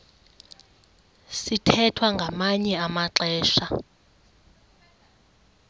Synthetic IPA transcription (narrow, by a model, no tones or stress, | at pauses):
sitʰɛtʰwaŋɡʱamaɲɛamaǁɛːʃa